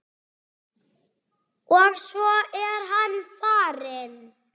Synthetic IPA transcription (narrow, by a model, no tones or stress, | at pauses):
ɔɣsvɔɛɾɦanːfaːɾɪn